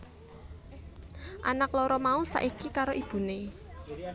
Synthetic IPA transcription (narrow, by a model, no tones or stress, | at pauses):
ʔa̰nakloɾɔmausa̰ʔikikaɾoʔib̥ṳne